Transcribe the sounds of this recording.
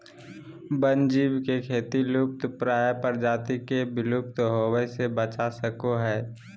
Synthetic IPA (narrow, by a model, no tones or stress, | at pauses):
bənd͡ʒiːbkekʰeːt̪ilʊp̚t̪pɾaːjpəɾd͡ʒaːt̪ikebɪlʊp̚t̪ɦoːwəsebət͡ʃasəkoɦɛː